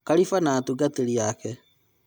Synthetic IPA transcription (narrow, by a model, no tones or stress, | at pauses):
kaɾifanaːtuɡateɾiakɛ